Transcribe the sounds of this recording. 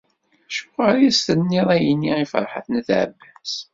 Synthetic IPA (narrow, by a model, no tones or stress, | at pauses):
ʃʊʁaɾjæst̪ənːiðˤæjənːiifə̰ɾˤħə̰θnəθʕə̰bːæs